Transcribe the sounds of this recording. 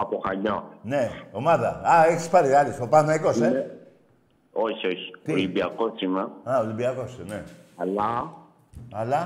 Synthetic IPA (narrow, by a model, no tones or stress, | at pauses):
ɐpoxaɲaneomaðɐ̰aeçi̥spaɾialisopamaikose | oçioçi̥libiakosimɐaolibiɐkosneala | ala